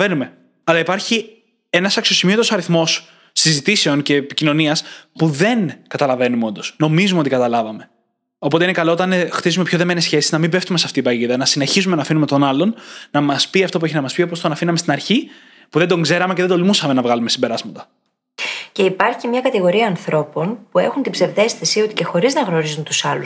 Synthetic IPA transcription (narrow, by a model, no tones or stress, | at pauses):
enume̞ | ɐlɐipɐɾçi | e̞nɐsɐksio̞simio̞t̪osɐɾiθmo̞sː | izit̪ise̞o̞nce̞ːpicino̞niɐspuðe̞nkɐt̪ɐlɐve̞numeo̞nd̪o̞sno̞mizumeot̪ikɐt̪ɐlɐvɐme̞ | o̞po̞t̪einekɐlo̞ot̪ɐnxt̪izume̞pço̞ðe̞menesçe̞siznɐmibe̞ft̪umesɐft̪ipɐʝiðɐnɐsine̞çizume̞nɐfinumet̪o̞nɐlo̞nnɐmɐspiɐft̪o̞pueç̬inɐmɐspio̞p̬ost̪onɐfinɐmest̪inɐɾçi | puðe̞nd̪o̞ŋɡze̞ɾɐmeceðed̪olmusɐme̞nɐvɣɐlume̞simbe̞ɾɐzmɐt̪ɐ̥ | ce̞ipɐɾçimɲɐkɐt̪iɣo̞ɾiɐːnθɾo̞po̞npue̞xunt̪ibze̞vðe̞sθesiot̪i̥ce̞xo̞ɾiznɐɣno̞ɾizunt̪usɐlu